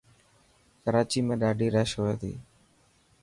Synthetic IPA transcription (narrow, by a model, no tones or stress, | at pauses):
kəɾaːt͡ʃiːmẽːɗaːɖiːɾəːʃɦoːeːt̪ʰḭː